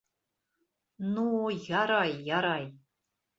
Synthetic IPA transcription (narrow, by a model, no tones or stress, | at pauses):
nujaɾɑjːaɾɑj